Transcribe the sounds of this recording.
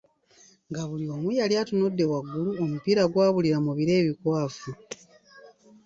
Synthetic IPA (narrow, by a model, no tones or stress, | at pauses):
ŋɡaβulio̞ːmujaljaːtunodːe̞waɡːuluomupiːɾaɡwaːβuliɾamuβiɾe̞ːβikwaːfu